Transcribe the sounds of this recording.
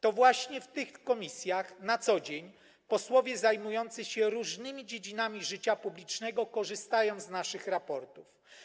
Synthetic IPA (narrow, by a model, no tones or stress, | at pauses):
t̪ɔvwaɕɲɛft̪ɘxkɔmʲisʲjaxnat̪sɔd͡ʑeɲ | pɔswɔvʲjɛzajmujɔnt̪sɛɕɛɾuʐnɘmʲid͡ʑed͡ʑinamʲiʐɘt͡ɕapublʲit͡ʂnɛɡɔkɔʐɘst̪ajɔw̪̃znaʂɘxɾapɔɾt̪uf